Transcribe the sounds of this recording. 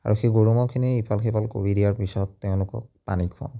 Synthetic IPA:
a̰ɹuxeɡoɹumɔkʰiniipʰalkʰebalko̰ɹidijaɹpisɔtːɛʊ̃lʊkɔ̰k̚panikʰɔ̰n

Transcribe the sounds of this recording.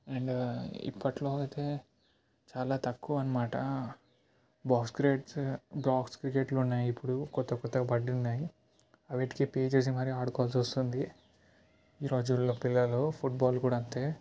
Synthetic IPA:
eɳɖḭpːɐʈlo̞ːɐkɐt̪e̞ː | t͡ʃaːlaːt̪ɐkːuʋɐnːɐmaːʈɐ | baːkskɾeʈsbɾaːkskɾikeʈlounːaːjiipːuɽukɔt̪ːɐkɔt̪ːɐɡɐbɐɖːunːaːji | ɐʋeːʈi̥kipeːd͡ʒes̬imɐɾiaːɽukɔːɐlsɐst̪und̪i | iːɾo̞ːd͡ʒulopilːɐloːpʰuʈ̚baːlkuːɽaːɐnt̪e̞ː

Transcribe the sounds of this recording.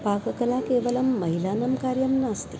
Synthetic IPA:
paːkɐkɐlakeːʋɐlɐmːɐɦilaːnɐmkaːɾjɐmnaːst̪i̥

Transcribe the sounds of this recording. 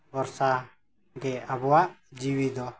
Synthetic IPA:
bɔɾsa | ɡɛabɔwaʔd͡ʒiwid̪ɔ

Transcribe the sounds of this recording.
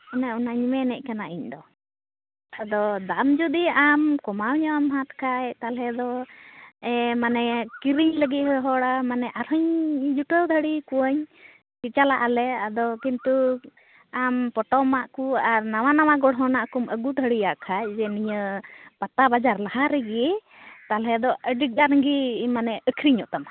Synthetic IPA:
ɔnɛɔnaɲimɛnɛc̚ˀkanaʔiɲd̪ɔ | ad̪ɔd̪amd͡ʒud̪iamkɔmawɲɔamɦat̪kʰajt̪alɛd̪ɔ | ɛmanɛkiɾiɲləɡit̪̚ɦɔɦɔɽamanɛʔaɾɦɔɲd͡ʒuʈəd̪ʱəɽikuəɲ | kit͡ʃalaʔalɛad̪ɔkint̪u | ampɔʈɔmaʔkuaɾnawanawaɡɔɽɦɔnaʔkuməɡud̪ʱəɽiaʔkʰajd͡ʒɛniɲəpat̪abad͡ʒaɾlahaɾɛɡi | t̪alɦɛd̪ɔəɖik̚aɾɡimanɛʔəkʰɾiɲɔʔt̪am

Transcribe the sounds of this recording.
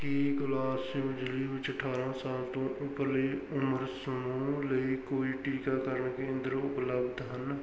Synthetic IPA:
kiɡʊlaːsibɪd͡ʒliʋɪt͡ʃəʈʰaːɾãːsaːlt̪õːʔʊpleʊməɾsəmuːləiːkoːiːʈiːkakəɾəɳkeə̃nd̪əɾʊpləbd̪ɦən

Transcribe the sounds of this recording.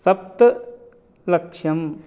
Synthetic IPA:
sɐp̚t̪ɐ | lɐkʂɐm

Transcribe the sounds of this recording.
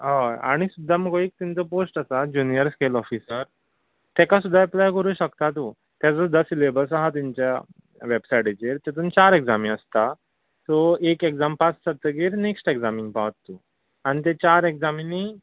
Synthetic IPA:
ɦaa̰ɽ̃isud̪ʱːaməɡoek̚t̪int͡sɔposʈasad͡ʑunijəɾskelɔfisəɾ | t̪ɛkasud̪ʱːaeplajkəɾuːɕəkt̪at̪o | t̪jat͡səd̪əsilebəlsaɦat̪̬iɲt͡ɕja | ʋebsajʈit͡ɕeɾt̪ɛt̪̬uːnt͡ɕaɾekd͡zamĩəst̪a | sɔekekd͡zampat͡ssət̪ːəɡiːɾneksʈekd͡zamĩŋɡpaʋt̪ːu | aɽ̃it̪̬ẽt͡ɕaɾekd͡zamini

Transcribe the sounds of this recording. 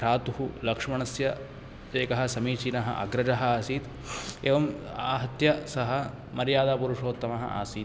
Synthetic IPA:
aːt̪uɦulɐkʂɐmɐɳɐsjɐ | eːkɐɦɐsɐmiːt͡ʃiːnɐɦɐ̰ʔɐ̰ɡɾɐd͡ʒɐɦɐaːsiːt̪ | eːʋɐmaːɦɐt̪jɐsɐɦɐ | mɐɾjaːd̪aːpuɾuʂoːt̪ːɐmɐɦɐ̰ʔa̰ːsiː

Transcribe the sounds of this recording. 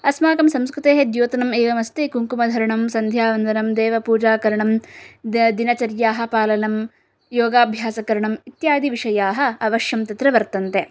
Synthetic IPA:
ɐsmaːkɐmsɐmskɾut̪eːɦed̪joːt̪ɐnɐmeːʋɐmɐst̪ekuŋkumɐd̪ʱɐɾɐɳɐmsɐnd̪ʱjaːʋɐnd̪ʱɐnɐmd̪eːʋɐpuːd͡ʒaːkɐɾɐɳɐm | d̪inɐt͡ʃɐɾjaːɦɐ̆paːlɐnɐm | joːɡaːbʱjaːsɐkɐɾɐɳɐmit̪jaːd̪iʋiʂɐjaːɦɐ̆ɐʋɐʃjɐmt̪ɐt̪ɾɐʋɐɾt̪ɐnt̪e

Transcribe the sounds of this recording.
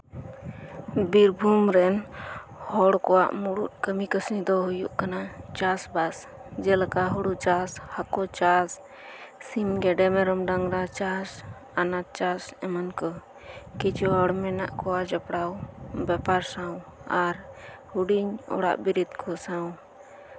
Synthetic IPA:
biɾbʱumɾɛn | hɔɽkɔwa̰ʔmuɽut̪̚kəmikəsnid̪ɔɦujṵʔkanat͡ʃasbas | d͡ʒɛləkaɦuɽuʔt͡ʃashakɔt͡ʃas | simɡɛɖɛmɛɾɔmɖaŋɾat͡ʃas | anat̪̚t͡ʃasɛmənkɔ | kit͡ʃɔɦɔɽmɛnaʔkɔwad͡ʒapɽawbɛpaɾsawaɾ | huɽiɲɔ̰ɽa̰ʔbiɾid̪kʰɔsaw̃

